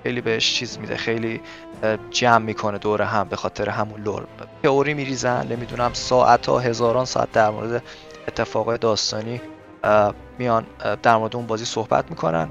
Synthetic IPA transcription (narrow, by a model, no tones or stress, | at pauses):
xejliːbeheʃt͡ʃʰiːzmiːd̪ḛxe̞jli | d͡ʒæmːiːkʰo̞ne̞d̪oːɾeɦæmbe̞xɒːt̪ʰe̞ɾeɦæmunlo̰ɾt̪ʰeoɾiːmiɾiːzænne̞mid̪unæmsɒːʔæt̪ʰhɒ̰ːɦe̞zɒːɾɒːnsɒ̰ːæ̰t̪̚d̪æɾmo̰ːɾe̞d̪e̞ | et̪ʰːe̞fɒːɣed̪ɒːst̪ɒːniː | mijɒnd̪æɾmo̞ɾed̪euːnbɒːziːso̞hb̥æ̰t̪miːkʰo̞næ̰n